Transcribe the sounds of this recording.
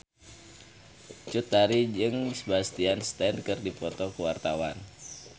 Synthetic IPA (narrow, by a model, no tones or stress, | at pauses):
t͡ʃut̪̚ːaɾid͡ʒɨŋsəbast̪ianst̪ɛndkɨrdipɔt̪ɔkəwart̪awan